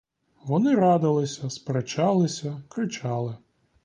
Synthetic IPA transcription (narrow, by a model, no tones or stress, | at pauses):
ʋɔnɪɾɑd̪ɪlˠɪsʲɐspɾet͡ʃɑlˠɪsʲɐkɾɪt͡ʃɑlˠɪ